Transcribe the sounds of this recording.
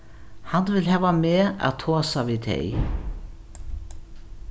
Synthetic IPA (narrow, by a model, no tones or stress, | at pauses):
hanːvɪlɦɛːvamɛːa̰ðt̪ʰɔːsavit̪ʰḛj